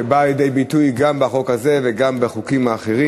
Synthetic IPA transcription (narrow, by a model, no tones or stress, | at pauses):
ebaːljed̪e̞jbitujɡambeaχo̞khaze̞veɡambeχukimhaːχeʁi